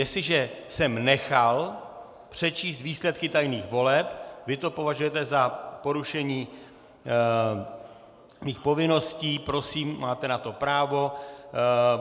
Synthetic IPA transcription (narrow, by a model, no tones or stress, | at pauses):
jɛslɪʒɛsɛmnɛxal | pr̝̥ɛt͡ʃiːst̪viːslɛt̪̚kɪt̪ajniːxvo̞lɛpvɪt̪o̞po̞vaʒujɛt̪ɛzapo̞ɾuʃɛɲiː | miːxpo̞vɪno̞sciːpɾo̞siːmːaːt̪ɛnat̪o̞pɾaːvo̞